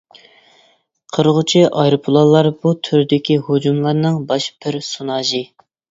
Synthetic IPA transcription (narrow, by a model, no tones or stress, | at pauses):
qʰəɾʁʊt͡ʃʰiʔɑjɾɨpʰʊlˠɑlˠːɑɾbut̪ʰyɾd̪ɪkʲihod͡ʒumlˠɑɾnɨŋbɑʃb̥ɪɾsunɑːʒɨ